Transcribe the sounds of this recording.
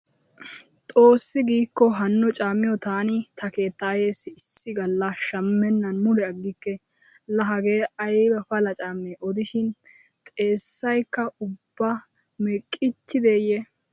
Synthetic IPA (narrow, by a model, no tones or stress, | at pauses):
t̪ʼo̞ːsːɪɡiːkːɔɦɐnːʊt͡ʃʼaːmːɪjɔt̪aːnɪt̪ɐke̞ːt̪ːɐːje̞ːsɪɪsːɪɡɐlːɐʃɐmːɛnːɐnmʊlɛɐɡːɪkːɛ | lɐɦɐɡe̞ːɐjbɐfɐlɐt͡ʃʼaːmːeʔɔd̪ɪʃɪn | t̪ʼe̞ːsːɐjkːɐʊbːa | mɛkʼːɪt͡ʃːɪd̪e̞ːjɛ